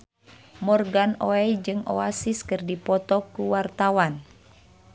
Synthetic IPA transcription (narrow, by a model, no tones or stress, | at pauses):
mɔrɡanɔɛjd͡ʒɨŋʔɔasiskɨrdipɔt̪ɔkuwart̪awan